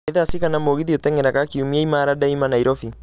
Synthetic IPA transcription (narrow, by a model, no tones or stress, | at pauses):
eðasikanamoɣiðiotɛŋɛɾakakiumiaimaɾadaimanaiɾɔfi